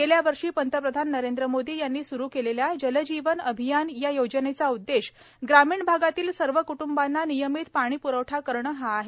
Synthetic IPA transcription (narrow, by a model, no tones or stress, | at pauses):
ɡeljaʋəɾʂiːpənt̪əpɾəd̪ʱanːəɾend̪ɾəmod̪iːjanːiːsuɾuːkeleljad͡ʑələd͡ʑiʋənəbʱijanjajod͡ʑənet͡saud̪ːeɕ | ɡɾamiːɳbʱaɡat̪iːlsəɾʋəkuʈumbanːanijəmiːt̪paɽ̃iːpuɾəʋʈʰakəɾɳəɦaːɦe